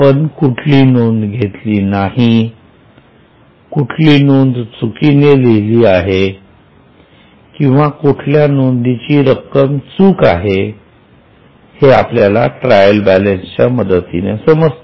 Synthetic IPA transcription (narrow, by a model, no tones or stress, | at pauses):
pənkuʈʰlinuːnd̪ɡʱet̪liːnaɦi | kuʈʰlinuːnd̪t͡sukineleɦliːaɦe | kĩw̃ʋakuʈʰljanond̪it͡ɕiːɾəkːəmt͡suːka̰ɦe | heapljala̰ʈɾajəlbælenst͡ɕaməd̪ət̪inesəməst̪